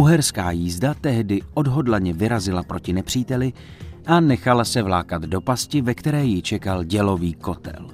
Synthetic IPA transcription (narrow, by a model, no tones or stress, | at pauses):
uɦɛɾskaːjiːzdat̪ɛɦdɪʔo̞dɦo̞dlaɲɛvɪɾazɪlapɾo̞cɪnɛpr̥iːt̪ɛlɪ | ʔanɛxalasɛvlaːkat̪do̞pascɪvɛkt̪ɛɾɛːjɪt͡ʃɛkalɟɛlo̞viːko̞t̪ɛ̰l